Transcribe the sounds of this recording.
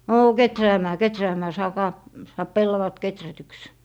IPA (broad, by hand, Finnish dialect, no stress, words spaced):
noː ketræːmæː ketræːmæː sɑːkɑː sɑːp pelːɑʋɑt ketrætyks